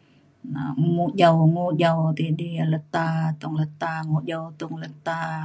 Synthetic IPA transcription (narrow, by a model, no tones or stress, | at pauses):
naŋuʔd͡ʒawŋuʔd͡ʒawt̪idialət̪at̪uŋlət̪aŋuʔd͡ʒawt̪uŋlət̪a